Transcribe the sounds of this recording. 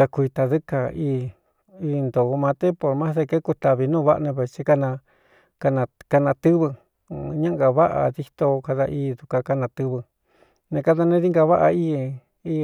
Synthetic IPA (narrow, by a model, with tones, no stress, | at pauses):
a˧kʷi˧t̪a˨˧ðɨ˦ka˧iː˧ | iː˧nd̪o˨˧mã˧t̪e˦po˧˨ɾmã˦ðe˧ke˦ku˧t̪a˧βi˧nũː˦βa˦ʔnẽ˧βe˧t͡ʃi˧ka˦˧nã˧ | ka˧nã˧ka˧nã˧t̪ɨ˦βɨ˧ | ɲã˦ŋɡa˧βa˦ʔa̰˧ði˧t̪o˧ka˧ða˧ʔiː˦˧ðu˧ka˧ka˧nã˧t̪ɨ˧βɨ˧ | nẽ˧ka˦˧ða˧nẽ˦ði˦ŋɡa˧βa˦ʔa˧iː˦ | iː˦˧